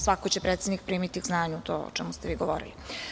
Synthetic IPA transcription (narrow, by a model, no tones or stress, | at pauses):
sʋakot͡ɕepɾʔet̪sed̪nik̚pɾiːmit̪ikznaːɲuːt̪oːo̰t͡ʃɛmust̪eʋiːɡoʋoːɾḭli